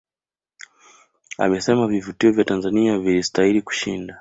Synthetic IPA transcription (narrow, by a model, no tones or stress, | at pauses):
a̰mɛsɛmavivutiɔvjatanzaniavilistailiku̥ʃinda